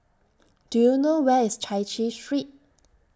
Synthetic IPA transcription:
d̥ujunowɛɪst͡ʃʰaɪt͡ʃisɹit̚

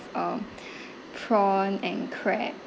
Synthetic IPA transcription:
ʌ̃m | pʰɹɔ̃nɛ̃nkʰɹɛt̚

